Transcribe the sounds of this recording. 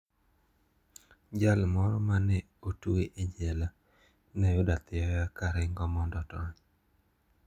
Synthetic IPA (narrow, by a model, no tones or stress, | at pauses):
d͡ʒalmɔɾɔmanɛ | otueʔid͡ʒɛla | nɛjʊdat̪ɪɔjakaɾɪŋɡɔmɔndɔtɔɲ